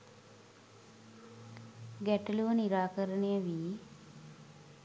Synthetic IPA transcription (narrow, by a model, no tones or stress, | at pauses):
ɡæʈəluʋəniɾaːkəɾənejəʋi